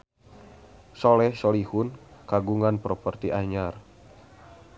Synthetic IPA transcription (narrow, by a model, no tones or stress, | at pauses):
solɛhsolihunkaɡuŋanpɾɔpərt̪iʔaɲar